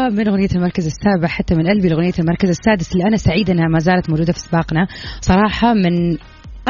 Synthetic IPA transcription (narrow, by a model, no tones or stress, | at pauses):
mɪnɣʊnɪjːalmɑɾˤkazasːaːbɪʕħat̪ːamɪnʔalbilɣʊnɪjːalmɑɾˤkazasːaːd̪ɪslːiʔanasaʕiːd̪ʔɪnːahamazaːlat̪mawd͡ʒuːd̪afiʔsbɑːqnasˤɑɾˤɑːħɑmɪn | ʔ